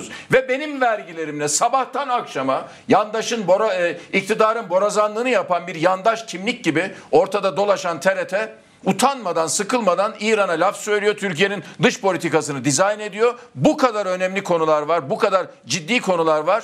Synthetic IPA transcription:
z̥vɛbe̞nimvæɾɟilʲe̞ɾimlʲɛsabaht̪ʰanakʃama | jand̪aʃɯnboɾaic̚t̪ʰid̪aːɾɯnbo̞ɾazanlˠɯːnɯjapanbiɾjand̪aʃcʰimlʲic̚ɟibɪo̞ɾt̪ʰad̪ad̪o̞lˠaʃant̪ʰeɾet̪ʰɛ | ut̪ʰanmad̪ansɯkʰɯlˠmad̪aniːɾanalʲafsøjlʲijo̞t̪ʰyɾcijenind̪ɯʃpʰo̞lʲit̪ʰikasɯnɯd̪izajne̞d̪ijo̞bukʰad̪aɾø̞nɛmlʲikʰo̞nulˠaɾvaɾbukad̪aɾ | d͡ʒid̪ːiːkʰo̞nulˠaɾvaɾ̥

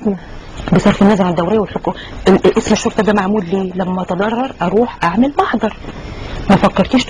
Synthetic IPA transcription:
besˤɑɾfɪnːæzɑɾˤʕd̪ːæwɾɪjːwɪlħoku | ʔesmæʃːoɾt̪ˤɑd̪æːmaʕmuːlliːlæmːæʔɑt̪ɑd̪ˤɑrˤːɑɾˤʔɑɾuːħʔaʕmɪlmɑħd̪ˤɑɾˤmæfækːɑɾˤt̪iːʃ

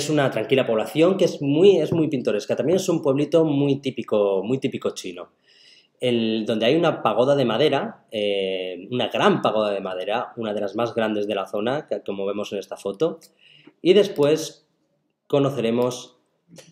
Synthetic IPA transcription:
esunat̪ɾaŋkilapo̞β̞laθjo̞ŋkezmuje̞zmujpint̪o̞ɾe̞skat̪amje̞ne̞sumpwe̞βlit̪o̞mujt̪ipikomujt̪ipiko̞t͡ʃino̞ | end̪o̞nd̪eajunapaɣ̞o̞ð̞aðe̞maðe̞ɾaeunaɣɾampaɣo̞ðað̞e̞mað̞e̞ɾaunað̞e̞lazmazɣɾand̪e̞zð̞e̞laθo̞nakomo̞β̞e̞mo̞se̞ne̞st̪afo̞t̪o̞ | iðe̞spwe̞s | ko̞no̞θe̞ɾe̞mo̞s

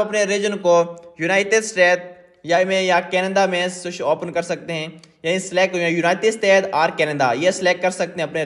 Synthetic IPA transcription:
ɐpneɾid͡ʒənkojunaːɪʈɪd̪sʈeːt̪̚ | jamẽjakɛːnəd̪amẽsʊt͡ʃoːpənkɐɾsɐk̚t̪eɦɛ̃jaːnisɪleːkːjunaːɪʈɪd̪sʈeːt̪ʰaːɾkɛːnəd̪a̰jeslɛːkkːɐɾsɐk̚t̪eɦɛ̃ɐpne

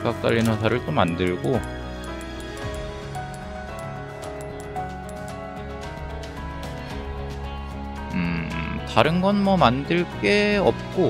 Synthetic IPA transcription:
kak̚t͈a̰ʎːinos̬ʰaɾɯɭt͡ɕ͈omːandɯɭɡo | ɯtaɾɯnɡʌnmʌmandɯɭk͈e̞ʌp̚k͈o

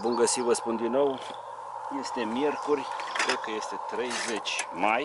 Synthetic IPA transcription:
bumɡəsivəspund̪inːo̞w | je̞st̪e̞mje̞rkurʲkɾekəje̞st̪e̞t̪ɾe̞jze̞t͡ʃʲmaj

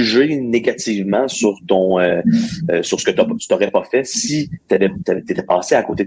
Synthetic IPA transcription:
yʒeneɡat̪iːvmɑ̃syʁt̪ɔ̃ø | syʁsə̥kət̪at̪y̥t̪ɔʁɛpafɛsit̪yavɛt̪avɛt̪et̪ɛpɑ̃ːseako̰ːt̪e

